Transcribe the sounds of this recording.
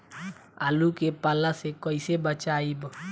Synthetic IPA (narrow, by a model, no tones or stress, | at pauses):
aːlukepaːlasekəɪsebət͡ʃaːib